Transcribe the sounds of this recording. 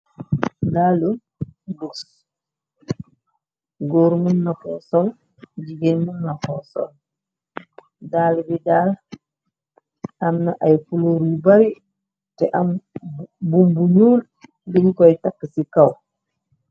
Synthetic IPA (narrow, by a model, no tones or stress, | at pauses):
daːlu | buks | ɡoːɾmunːakɔsɔl | ɟiɡenmunːakɔsɔ̰l | daːlbidaːl | amnaʔajfuloɾubaɾi | tɛʔam | bumbuɲuːl | biɲkɔjtakːsikaw